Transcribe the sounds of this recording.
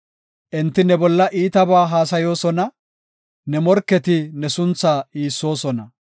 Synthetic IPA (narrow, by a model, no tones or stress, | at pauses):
ʔɛnt̪ːɪnɛbɔlːɐʔiːt̪ɐbaːɦaːsɐjo̞ːsɔnɐ | nɛmɔɾkːɛt̪ɪnɛsʊnt͡sːaːiːsːo̞ːsɔnɐ